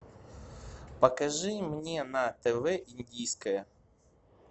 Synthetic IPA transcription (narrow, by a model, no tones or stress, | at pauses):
pɐkɐʒɪmnʲenɐt̪ɛʋɛʔinʲdʲijsʲkɐjɐ